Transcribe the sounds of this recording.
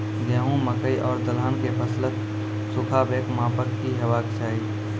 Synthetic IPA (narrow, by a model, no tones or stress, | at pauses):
jeːɦũməkəiʔɔːɾd̪əlaːnkepʰəslət̪ | sʊkʰaːbeːkmãːpəkːiɦəwaːkt͡ʃʰaːiː